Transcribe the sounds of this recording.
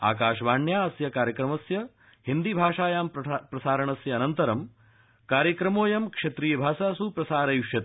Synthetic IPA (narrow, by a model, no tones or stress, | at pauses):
a̰ːkaːʃʋaːɳjaːɐsjɐkaːɾjɐkɾɐmɐsjɐ | hind̪ibʱaːʂaːjaːmpɾɐsaːɾɐɳɐsjɐːnɐnt̪ɐɾɐm | kaːɾjɐkɾɐmoːjɐmkʂɐt̪ɾiːjɐbʱaːsaːsupɾɐsaːɾɐjuʂjɐt̪